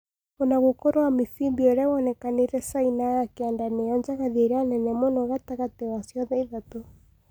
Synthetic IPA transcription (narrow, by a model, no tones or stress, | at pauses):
ɔnaɣokɔɾwamiθimbiɔɾɛwɔnɛkaneɾɛsainajakeandaneɔɲd͡ʒaɣaðeɾanɛnɛmɔnɔɣataɣatɛwasjɔðɛiðato